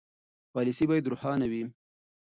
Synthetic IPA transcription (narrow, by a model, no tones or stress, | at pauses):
pɑlisibɑːjed̪ɾʊħɑnawi